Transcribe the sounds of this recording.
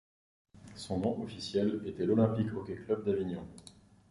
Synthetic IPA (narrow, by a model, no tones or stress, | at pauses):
sɔ̃nɔ̃ʔɔfisjɛlet̪ɛlɔlɛ̃pikɔkʲɛklœb̚d̪avinjɔ̃